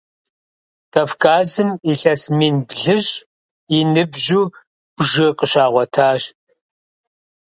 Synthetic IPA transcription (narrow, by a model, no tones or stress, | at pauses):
tʰɐfkʰʼaːzɨmiɬɐsmiːnbɮɨɕʼ | inɨbʒuː | bʒɨqəɕaːʁʷɔtʰaːɕ